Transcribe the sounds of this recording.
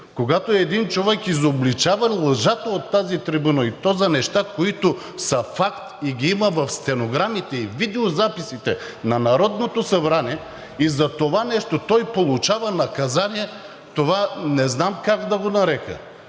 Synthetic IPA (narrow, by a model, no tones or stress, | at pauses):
koɡat̪oɛd̪int͡ʃovɛkizoblit͡ʃavɐlˠəʒat̪əot̪ːazit̪ɾibunɐit̪ɔzɐnɛʃt̪akoit̪o | sɐfakt̪iɡʲiimɐvɐfst̪ɛnoɡɾamit̪ɛivid̪ɛozapisit̪ɛnɐnɐɾɔd̪not̪osɐbɾaniɛ | izɐt̪ovanɛʃt̪ot̪ɔjpolˠut͡ʃavɐnɐkɐzaniɛ | t̪ovanɛznamkaɡd̪ɐɡonɐɾɛkə̰